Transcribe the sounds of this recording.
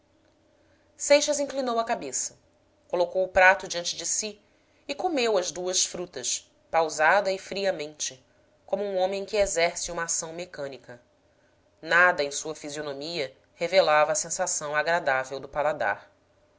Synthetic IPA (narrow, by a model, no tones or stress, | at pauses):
sejʃɐzĩklinowɐkabesɐ̥ | kolokowʊpɾat̪ʊd͡ʒiɐ̃nt͡ʃɪd͡ʒɪsi | ɪkomewɐzd̪uɐsfɾut̪ɐs | pawzad̪ɐɪfɾiɐmẽnt͡ʃɪ | kõmʊũõmẽj̃kɪezɛɾsɪũmɐasɐ̃w̃mekɐ̃nikɐ | nad̪ɐẽj̃suɐfizionõmiɐ | hevelavɐːsẽsasɐ̃w̃aɡɾad̪avewd̪ʊpalad̪a̰ɾ